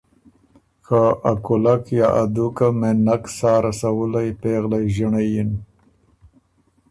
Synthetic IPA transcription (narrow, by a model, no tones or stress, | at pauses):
kaakʊlakjɑʔad̪ukamenaksɑːɾasawəlajpeɣlajʒəɳajin